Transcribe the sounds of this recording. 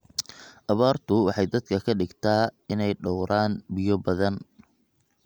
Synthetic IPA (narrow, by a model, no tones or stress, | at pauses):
ʔɐβaːrt̪ʰʊwɑħɑjd̪ɐd̪kʰɐkʰɐɖɪɡt̪ʰaːɪnɛjɖɔwɾʔaːnbɪjɔbɐðɐn